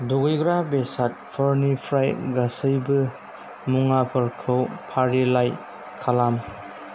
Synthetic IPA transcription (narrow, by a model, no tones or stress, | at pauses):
duɡɯjɡɾabesat̚pʰɐɾnipʰɾajɡasəjbɯ | muŋapʰɯɾkʰɯwpʰaɾilaj | kʰalam